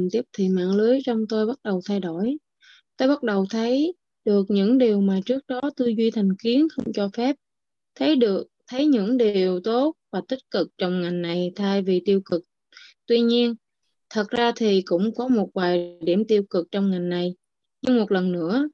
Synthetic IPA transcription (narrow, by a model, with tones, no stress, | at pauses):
t̪i˦˥əp̚t̪ʰi˨˩ma̰ː˧˥ŋlɨ˨˦əjt͡ɕɔ˧wŋ͡mt̪o˧jɓa˦˥t̚ɗə˨˩wt̪ʰa˧jɗo˧˩j | t̪o˧jɓa˦˥t̚ɗə˨˩wt̪ʰə˨˦j | ɗɨ˨˩ək̚ɲɨ̰˧˥ŋɗi˨˩əwmaː˨˩t͡ɕɨ˦˥ək̚ɗɔ˨˦t̪ɨ˧zwi˧t̪ʰa˨˩jŋ̟ki˨˦ənxə˧wŋ͡mt͡ɕɔ˧fɛ˦˥p̚ | t̪ʰə˨˦jɗɨ˨˩ək̚t̪ʰə˨˦jɲɨ̰˧˥ŋɗi˨˩əwt̪o˦˥t̚vaː˨˩t̪ï˦˥t̟̚kɨ˨˩k̚t͡ɕɔ˧wŋ͡mŋa˨˩jŋna˨˩jt̪ʰaː˧jvi˨˩t̪i˧əwkɨ˨˩k̚ | t̪wi˧ɲi˧ən | t̪ʰə˨˩t̚zaː˧t̪ʰi˨˩kʊ̰˧˥ŋ͡mkɔ˨˦mo˨˩t̚vaː˨˩jɗḭ˧˩əmt̪i˧wkɨ˨˩k̚t͡ɕɔ˧wŋ͡mŋa˨˩jŋna˨˩j | ɲɨ˧ŋmo˨˩t̚lə˨˩nːɨ̰˧˥ə